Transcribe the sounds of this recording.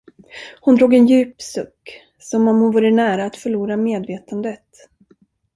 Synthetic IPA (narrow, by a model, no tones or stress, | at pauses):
hʊnd̪ɾuːɡɛnjʉ̟ːpsɵkː | sɔmɔmhʊnvuːɾənæːɾaːt̪fœɭuːɾameːd̪veːt̪ʰand̪ət̪